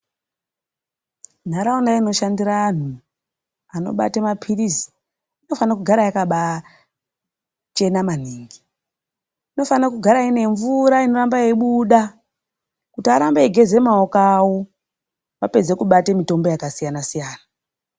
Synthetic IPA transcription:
n̤aɾaunaino̞ʃandiɾaːn̤u | ano̞̰ɓa̰temapʰirizi̥ | ino̞fanakuɡʱaɾajakaɓa | t͡ʃe̞naman̤iːŋɡi | ino̞fanakuɡʱaɾaine̞ɱvuɾaino̞ɾambaeɓuɗa | kutiaɾambaeɡʱe̞d͡ze̞maokawo | ʋape̞d͡ze̞kuɓatemito̞mbo̞jakasijanasijaːna

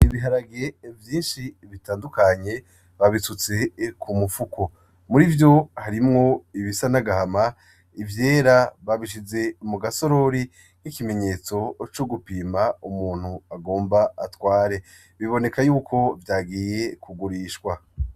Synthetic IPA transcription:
iβiɦaɾaɡevjiːnʃiβitaːndukaɲe̞ | βaβit͡sut͡se̞kʰumufukʰo | muɾivjo̞haɾimŋo̞iβisanaɡahama | ivje̞ːɾaβaβiʃ̬ize̞muɡaso̞ɾo̞ɾi | n̥ikime̞ɲe̞ːt͡so̞t͡ʃoɡupimaumuːn̥huaɡo̞ːmbaa̰twaːɾe̞ | βiβo̞ne̞kajuːkʰo̞vjaːɡiːje̞kʰuɡuɾiːʃkwa

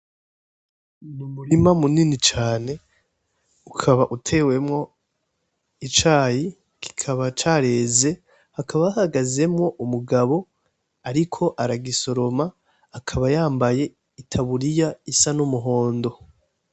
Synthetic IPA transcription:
numuɾimamuninit͡ʃaːne̞ | ukʰaβaʔutʰe̞we̞mŋo̞ | it͡ʃaːji | kʰi̥kʰaβat͡ʃaːɾe̞ːze̞ | hakaβajaɦaaɡaze̞mŋo̞ʔumuɡaβo̞ | aɾikʰo̞ʔaɾaɡiso̞ɾo̞maː | kʰaβajaːmbaje̞ | itʰaβuɾijaisanumuɦo̞ːndo̞

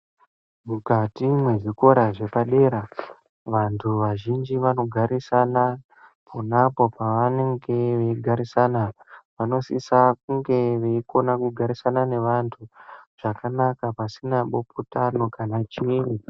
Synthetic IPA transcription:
mukatimwe̞ʐiko̞ɾaʐe̞paɗe̞ːɾa | ʋantʰuʋaʒind͡ʒiʋano̞ɡʱaɾisana | pʰunapo̞paʋane̞ŋɡe̞ʋeiɡʱaɾisanaʋano̞sḭsak̚uŋɡe̞ʋeikʰo̞nakuɡʱaɾisanane̞ʋantʰuʐ̥akanakapasinaɓoputano̞kanat͡ʃini

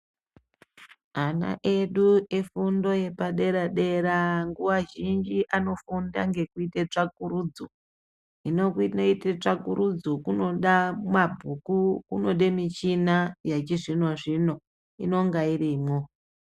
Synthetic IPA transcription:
ana̰ʔe̞ɗuefundo̞je̞paɗe̞ɾaɗe̞ɾaŋɡuwaʒind͡ʒiʔano̞funda̰ŋɡe̞kuitet͡ʂakuɾud͡zo | inokinoitet͡ʂakuɾud͡zokuno̞ɗamabʱukukuno̞ɗemit͡ʃinajat͡ʃiʐino̞ʐino̞ | ino̞ŋɡaiɾimo

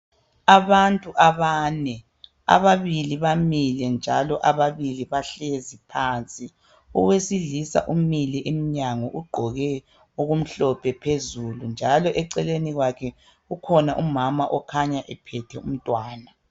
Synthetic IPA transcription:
aβantʼuʔaβaːnɛ | a̰βaβiliβamilɛnd͡ʒʱalɔʔaβaβiliβaɬezipʰant͡sʼi | ɔ̰wesiɮisa̰ʔumilɛʔemiɲaŋɔʔuɡ͡ǃʱɔɣɛ | uɣum̩ɬɔpʰɛpʰezulund͡ʒʱalɔʔɛǀɛleniɣwakʰɛ | ɣukʰɔnaʔumamaʔɔkʰaɲaʔɛpʰɛtʰɛum̩tʼwaːna

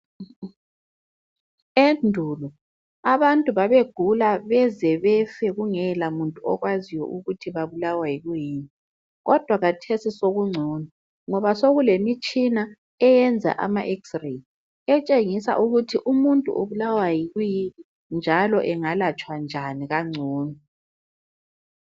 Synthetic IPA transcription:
endʱuːlu | aβantʼuβaβeɡ̥ʱulaβɛzɛβɛfɛɣuŋɛlamuntʼuɔ̰ɣwazijɔ̰ʔuɣutʰiβaβulawajiɣujiːni | ɣɔd̥ʱwaɣatʰesisoɣuŋ͡ǀʱuːni | ŋɔβasoɣulemit͡ʃʼina | ɛjɛnd͡zʱa̰ʔa̰maʔeksri | ɛt͡ʃʼeŋisa̰ʔuɣutʰiʔumuntʼṵʔo̰βulawajiɣujini | nd͡ʒʱalɔʔɛŋalat͡ʃʼwand͡ʒʱaniɣaŋ͡ǀʱuːni

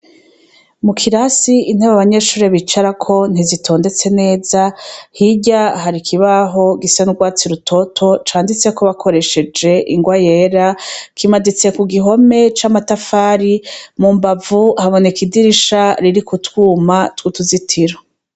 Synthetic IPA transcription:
mukʰiɾasiʔin̥heβaβaɲe̞ʃuːɾeβit͡ʃaɾakʰo̞n̥izitʰo̞ːnde̞t͡se̞ne̞ːzahiɟahaɾikʰiβaɦo̞ɡisenɡwaːt͡siɾutʰo̞tʰo̞t͡ʃaːndit͡se̞koβakʰo̞ɾe̞ʃe̞d͡ʒe̞ʔiŋɡwajeːɾakʰimadit͡se̞kuɡiɦo̞me̞t͡ʃamatafaːɾimuːmbavuhaβo̞nekidiɾiʃaɾiɾikutwuːmatwutuzitʰiɾo

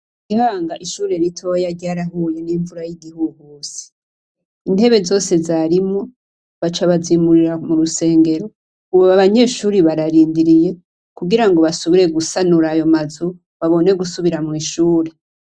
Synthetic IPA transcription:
ihaːŋɡaʔiʃuːɾe̞ɾitʰo̞jaɾɟaːɾaɦuje̞niːɱvuɾajiɡihuɡuːsi̥ | inde̞βe̞zo̞ːse̞zaɾimo̞ | βat͡ʃaβazimuɾiɾamuɾuse̞ːŋɡe̞ɾo̞ | uβoβaβaɲe̞ːʃuːɾiβaɾaɾiːndiɾije̞ | kuɡiɾaŋɡo̞βasuβiɾe̞ɡusanuɾajo̞mazu | βaβo̞ne̞ɡusuβiɾamŋiːʃuːɾe̞

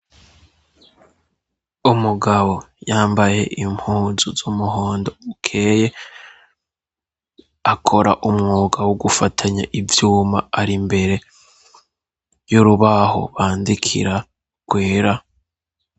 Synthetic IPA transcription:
umuɡaβo̞ | jaːmbaje̞̰ʔimhuːnzuzumuɦo̞ːndo̞ukʰe̞ːje̞ | akʰo̞ɾa̰ʔumŋoːɡawoɡufatʰaɲaʔivjuːmaaɾimbe̞ɾe̞ | juɾuβaho̞̰βaːndikʰḭɾa | ɡ̥we̞ːɾa

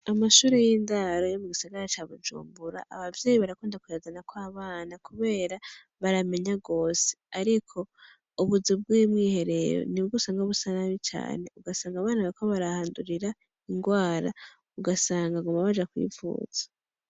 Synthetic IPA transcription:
amaʃuːɾejiːndaɾo̞jomuɡisaɡaɾat͡ʃaβud͡ʒṵːmbuɾa̰ʔaβavje̞ːjiβaɾakuːndakujazanakwaːβaːnakuβe̞ːɾa | βaɾame̞ɲaɡo̞ːse̥aɾikʰo̞ | uβuzib̚ɡwiːmŋiːhe̞ɾe̞ɾo̰niβɡusaːŋɡaβusanaβit͡ʃa̰ːne̞uɡasaːŋɡaβaːnaβaɾikoβaɾahaːnduɾiɾa | iŋɡwaːɾa̰ | uɡasaːŋɡaɡumaβad͡ʒakwḭːvṵːz̥ḁ

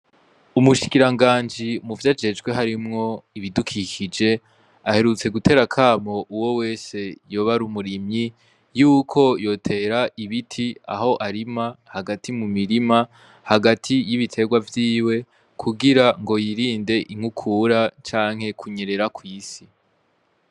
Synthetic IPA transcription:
umuʃi̥kiɾaŋɡaːnd͡ʒimuvjad͡ʒe̞d͡ʒɡwe̞ɦaɾimŋo̞iβidukʰiːkʰid͡ʒe̞ | ahe̞ɾut͡se̞ɡutʰe̞ːɾakʰaːmo̞ʔuwo̞we̞ːse̞jo̞βaɾumuɾimɲi | juːkʰo̞jo̞tʰe̞ɾaʔiβitʰia̰ho̞ʔaɾimahaɡatʰimumiɾima | haɡatʰijiβitʰe̞ɡwavjiːwe̞ | kʰuɡiɾaŋɡo̞jiɾiːnde̞ʔiŋ̥hukʰuːɾat͡ʃaːŋ̥he̞kʰuɲeɾe̞ɾakwiːsi

